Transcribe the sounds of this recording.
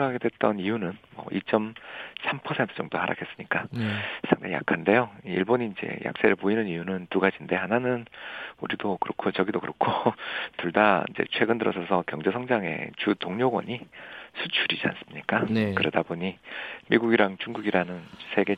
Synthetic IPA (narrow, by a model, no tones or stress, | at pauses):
ɦaɡe̞dwe̞t̚t͈ʌnijunɯnmwʌ̰ʔit͡ɕ͈ʌmsʰampʰʌsʰe̞ntʰɯ̥t͡ɕʌŋdohaɾʔa̰kʰes͈ɯmɲik͈asʰaŋdeja̰kʰande̞joiiɭboɲiːnd͡ʑe̞̰jʔa̰k̚s͈eɾɯɭpoinɯnijunɯntuɡad͡ʑinde̞hananɯnṵɾidokɯɾʌkʰot͡ɕʌɡidokɯɾʌkʰotuɭdaḭnd͡ʑe̞̰t͡ɕʰwe̞ɡɯndɯɾʌsʰʌsʰʌkjʌŋd͡ʑe̞sʰʌŋd͡ʑaŋe̞̰t͡ɕutoŋɲoɡwʌ̰ɲisʰut͡ɕʰuɾid͡ʑia̰ns͈ɯ̥mɲik͈ankɯɾedaboɲimiɡuɡiɾaŋt͡ɕuŋɡuɡiɾanɯnsʰe̞ɡe̞